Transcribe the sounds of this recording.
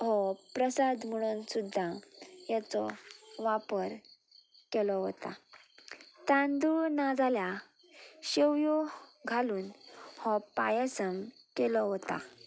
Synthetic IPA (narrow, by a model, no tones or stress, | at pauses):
ɦɔpɾəsad̪m̤əɽ̃uːnsud̪ʱːajat͡sɔʋapəɾ | kelɔɦɔt̪a̰ | t̪ãnd̪unad͡zalja | ɕeʋjɔɡʱaluːnhɔpa̰jasəm | kɛlɔɦɔt̪a̰